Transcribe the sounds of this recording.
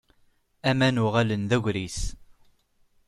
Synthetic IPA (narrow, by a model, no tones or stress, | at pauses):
æmænʊʁalənðæʝʷɾis